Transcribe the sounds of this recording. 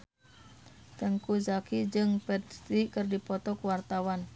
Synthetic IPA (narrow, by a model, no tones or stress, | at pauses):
t̪əŋkuzakid͡ʒɨŋpɛt̪t̪ikɨrdipɔt̪ɔkwart̪awan